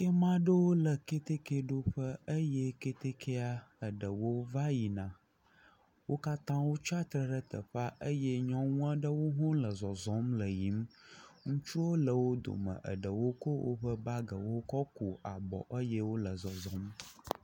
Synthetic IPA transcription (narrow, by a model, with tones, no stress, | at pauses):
ke˦mã˦ɖə˦wo˦lə˨ke˦t̪e˦ke˦ɖo˦ɸə˦ə˦jɛ˦ke˦t̪e˦kʰe˦a˦ə˨ɖə˨wo˦va˦ji˨nã˨ | wo˦ka˦t̪ã˦wo˦t͡ʃa˦t̪ɾə˦ɖə˦t̪ə˨ɸa˦ʔə˦jɛ˦ɲɔ̃˦ŋũ˦a˦ɖə˦wo˦ɦɔ̃˦lə˨zɔ˨zɔ̃˨˦mlə˨ji˨˦m˦ŋũ˦t͡ʃu˦wo˦lə˨wo˦d̪o̰˨mə̰̃˨ʔə̰˨ɖə˨wo˦ko˦wʔo̰˦ɸə˦ba˦ɡə˨wo˦kɔ˦ku˨a˨bɔ̰˨ʔə˦jɛ˦wo˦lə˨zɔ˨zɔ̃˨˦m